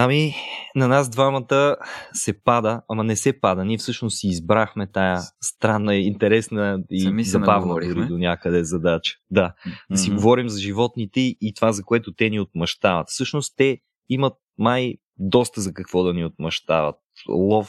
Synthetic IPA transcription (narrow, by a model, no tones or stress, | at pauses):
aminɐnasd̪vamɐt̪əsɛpad̪əamɐnɛsɛpad̪əniɛfsɤʃnossiːzbɾaxmɛt̪ajəst̪ɾanːəɛint̪ɛɾɛsnəizɐbavlˠəʊɾid̪onʲjakəd̪ɛzɐd̪at͡ʃə̥d̪ad̪ɐsiɡovɔɾimzɐʒivɔt̪nit̪ɛit̪ovazɐkoɛt̪ot̪ɛniot̪̚mɐʃt̪avət̪fsɤʃnost̪t̪ɛ | imət̪̚maj | d̪ɔst̪əzɐkɐkvɔd̪ɐniot̪̚mɐʃt̪a̰və̰t̪̚lˠɔf